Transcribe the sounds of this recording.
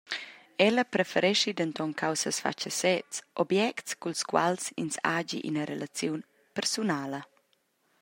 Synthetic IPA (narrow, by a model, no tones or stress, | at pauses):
ɛləpɾefɛɾɛʃid̪ənt̪ɔŋkʰawsəsfa̰t͡ʃəsɛtt͡sʔɔbjɛktskulskwa̰lsḭnsad͡ʒḭʔḭnəɾelat͡sjun | pɛrsunaːlə